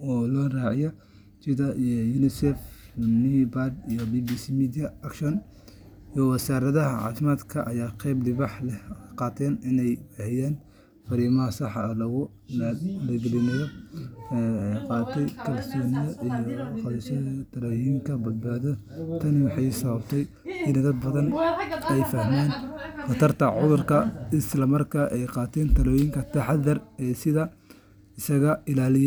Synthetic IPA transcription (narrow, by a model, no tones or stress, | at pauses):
ɔlɔːraːʕɪjɐ | t͡ʃid̪ɐʔijjunɪsɛfnibad̪ijɔbibisimiːd̪ijɐɐkʃɔn | jɔwɐsaːɾɐðɐɦɐʕɑ̰ːfɪmaːd̪kʰɐʔɐjaːqɛblɪβɑħlɛqɑːt̪ʰɛːnɪnɛjhɛjaːn | fɐɾiːmɐɦɐsɑħlɐɣʊ | lɐɡɛlɪnɐjɔ | jqɑːt̪ʰɛjkʰɐlsɔːnɪjɔʔijɔqst̪ʰɐlɔːjɪŋkʰɐbɐd̪̚baːðɔ | t̪ʰɐnwɑħɑjsɐβɐbt̪ʰɛj | ɪnd̪ɐd̪̚bɐðɐnɛjfɐhmaːnfɐt̪ʰɐrt̪ʰɐʕʊðʊrkʰɐɪslɐmɐrkʰɐʔɛjqɑːt̪ʰɛːnt̪ʰɐlɔːjɪŋkʰɐt̪ʰɐħɑðɐrɛːsɪðɐ | ɪsɐɣɐɪlaːlɪj